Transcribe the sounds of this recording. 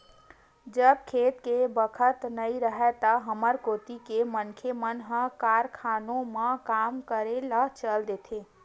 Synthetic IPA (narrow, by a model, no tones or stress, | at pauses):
d͡ʒəb̚kʰet̪kebəkʰət̪nəiɾəɦɛt̪əɦəməɾkot̪ikemənkʰemənɦə̃kaɾkʰanõmekamkəɾelət͡ʃəld̪et̪ʰe